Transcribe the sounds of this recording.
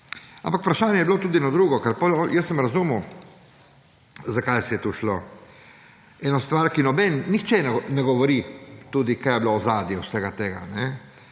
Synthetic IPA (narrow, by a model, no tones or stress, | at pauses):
a̰mpakpɾaʃaːnjɛjɛblot̪uːd̪inɔd̪ɾuːɡɔkɛɾpɔlɔjəsːəmɾazumu | zakajsɛjɛt̪uʃlo | ɛːnɔst̪ʋaɾkinɔbɛnːixt͡ʃɛnɛnɛɡɔʋɔɾit̪uːd̪ikajɛbloɔzaːd̪jiwsɛɡat̪eːɡa̰nɛ